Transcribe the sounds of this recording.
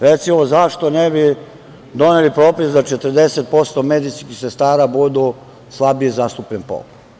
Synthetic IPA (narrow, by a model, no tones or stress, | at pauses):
ɾet̪simozaʃt̪o̞nebi | d̪o̞nelipɾo̞ːpisd̪at͡ʃet̪əɾd̪e̞set̪̚po̞st̪omed̪iskixse̞st̪aːɾabud̪u | slˠabieizast̪upʎenpo̰pu̥